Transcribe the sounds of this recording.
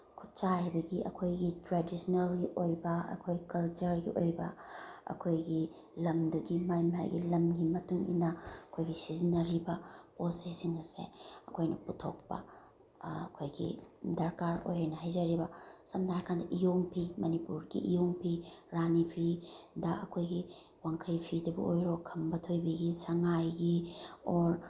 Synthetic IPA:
kʰu̥t̚t͡ʃahabɐɡiʔɐ̰kʰojɡitɾedisnelɡiʔojbɐɐ̰kʰojkɐlt͡ʃɐɾɡḭʔojbɐ̰ɐ̰kʰojɡi | lɐmduɡimajma̰jɡḭlɐmɡimɐtuŋḭnɐɐkʰojɡisizinːɐɾibɐposisiŋɐsḛɐkʰojnɐputʰok̚pɐ̰ | ɐ̰kʰojɡḭdɐɾkaɾo̰jɦajnɐɦajzɐɾibɐsɐmdaɾkʰandɐʔijoŋpʰimɐnipuɾɡḭʔijoŋpʰiɾanipʰidɐɐkʰojɡi | waŋkʰɐjpʰidɐbɐ̰ojɾokʰɐmbɐtʰojbɐɡisɐŋajɡioɾ

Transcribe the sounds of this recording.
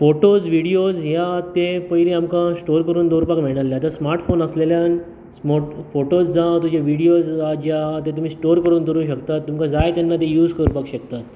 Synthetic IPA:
foʈod͡zʋiɽijod͡zɦjat̪epəileamkãsʈoɾkəɾuːnd̪oɾpakmiɭɽalːjat̪jasmaɾʈfonəsleljan | soʈfoʈod͡zd͡zãt̪ud͡ʑaʋiɽijod͡zad͡ʑjat̪et̪̬um̤iːsʈoɾkəɾuːnd̪əɾuːɕəkt̪at̪ːumkãd͡zajt̪janːat̪ejuːd͡zkəɾupakɕəkt̪at̪

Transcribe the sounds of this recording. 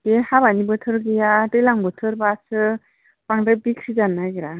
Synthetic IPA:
ɡehabanibɯtʰɯɾɡijadɯjlaŋbɯtʰɯɾbasɯ | paŋdabiksizanːaɡiɾa

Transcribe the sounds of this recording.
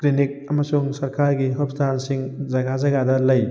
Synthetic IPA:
klinik̚ɐmɐsuŋsɐɾkaɾɡiɦupstʰansiŋzɐɡazɐɡadɐlɐj

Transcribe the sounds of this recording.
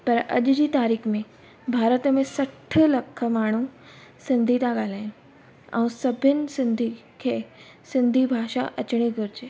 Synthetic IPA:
pɐɾɐ̰ʄd͡ʑiːt̪aːɾiːxmẽ | bʱaːɾət̪mẽsɐʈʰə̆lɐkʰə̆maːɽ̤̃u | sɪ̃nd̪ʱit̪aɠaːl̤aːj̃ | ɛ̰̃ũsɐbʱɪnɪ̆sɪ̃nd̪ʱi | kʰeː | sɪ̃nd̪ʱibʱaːʃa̰ʔɐt͡ɕɽ̃iɡʱʊɾd͡ʑeː

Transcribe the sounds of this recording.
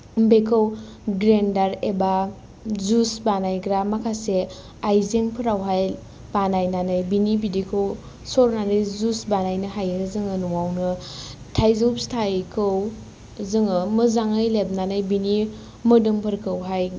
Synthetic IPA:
bekʰɯw | ɡɾendaɾeba | zusbanajɡɾamakʰase | ajzeŋpʰɯɾawɦaj | b̥anajnanɯjbinibidikʰɯw | sɔɾnanɯjzusbanajnɯɦajɯzɯŋɯnuawnɯ | tʰajzɯwpstʰajkʰɯw | zɯŋɯmɯzaŋɯjlep̚nanɯjbini | mɯdɯmpʰɯɾkʰɯwɦaj

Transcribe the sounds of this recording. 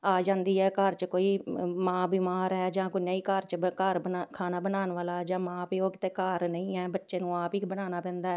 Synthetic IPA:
aːd͡ʒãːnd̪iːɦɛːkəɾt͡ʃəkoːiːmãːbiːmaːɾɦɛːd͡ʒãːkʊnjaːiːkəɾt͡ʃkəɾkʰaːnaːbənaːnʋaːlaːɦɛd͡ʒãːmãːpiːoːkɪt̪eːkaːɾnəĩːɦɛːbətːʃeːnũːaːpiːbənaːnaːpɛ̃ːnd̪aːɛː

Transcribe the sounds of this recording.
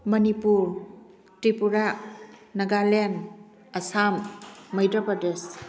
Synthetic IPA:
mɐnipuɾ | tɾipuɾanɐɡalen | ɐsamːɐjdɔpades

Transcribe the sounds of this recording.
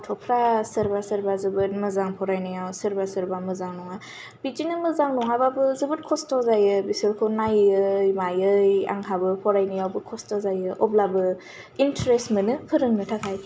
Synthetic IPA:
tʰɔpʰɾasəɾbasəɾbazɯbɯt̚mɯzaŋpʰɔɾajnɯjawsəɾbasəɾbamɯzaŋnɔŋa | b̥id͡ʒinɯmɯzaŋnɔŋababɯzɯbɯt̚kʰɔstɔzajɯbisɯlkʰonajɯjmajɯja̰ŋhʰabɯpʰɔɾajnɯjawbɯkʰɔstozajɯʔɔblabɯ | intɾestmɯnɯpʰɯɾɯŋnɯtʰakʰaj

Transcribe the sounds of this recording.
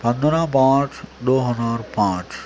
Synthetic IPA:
pɐ̃nd̪nãpãːt͡ʃʰd̪oːɦɐzaːɾpãːt͡ʃʰ

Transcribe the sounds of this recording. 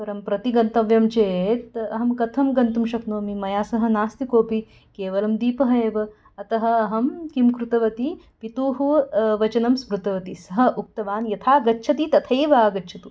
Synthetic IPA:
pɐɾɐmpɾɐt̪iɡɐnt̪ɐʋjɐmt͡ʃeːt̪ɐɦɐmkɐt̪ʰɐmɡɐnt̪umʃɐknoːɐmimɐjaːsɐɦɐ̆naːst̪ikoːpi | keːʋɐlɐmd̪iːpɐɦɐeːʋɐ | ɐt̪ɐɦɐ̆ɐɦɐmkimkɾut̪ɐʋɐt̪i | pit̪uːɦuʋɐt͡ʃɐnɐmsmɾut̪ɐʋɐt̪isɐɦɐʔuk̚t̪ɐʋaːnjɐt̪ʰaːɡɐtːʃʰɐt̪it̪ɐt̪ʰɐjʋaːɡɐtːʃʰɐt̪u

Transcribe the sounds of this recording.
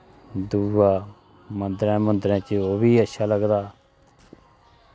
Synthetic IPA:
d̪uːaː | mənd̪əɾɛ̃ːmə̃nd̪ɾɛ̃ːt͡ʃoːbiːəʃʰaːləɡd̪aː

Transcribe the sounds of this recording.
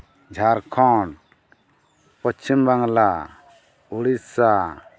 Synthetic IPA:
d͡ʒʱaɾkʰɔɳ | pɔt͡ʃʰːimbaŋla | uɽissa

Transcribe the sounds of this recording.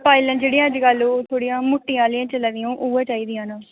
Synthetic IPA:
paːilə̃nd͡ʒeːɽĩjãːd͡ʒɪɡəloːt̪ʰoːɽijãːmʊʈːɪjãːlɪjãːt͡ʃəlad̪ɪjõːʔuːãːt͡ʃaːiːd̪ijãːnãː

